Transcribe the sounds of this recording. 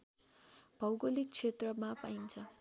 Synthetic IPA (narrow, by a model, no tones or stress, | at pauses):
bʱʌwɡolik̚t͡sʰet̪rʌmapaint͡sʰʌ